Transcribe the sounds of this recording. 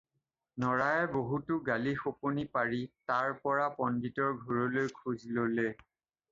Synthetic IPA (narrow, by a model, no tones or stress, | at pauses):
nɔɹajɛboɦutʊɡalixoponipaɹitaɹpɔɹapɔnditɔɹɡʱoɹɔlojkʰuzlole